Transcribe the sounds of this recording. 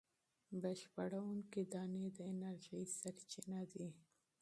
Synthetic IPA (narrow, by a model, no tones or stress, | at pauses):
bəʃpaɽawuŋkid̪ɑned̪əɪnaɾʒəjsaɾt͡ʃinad̪i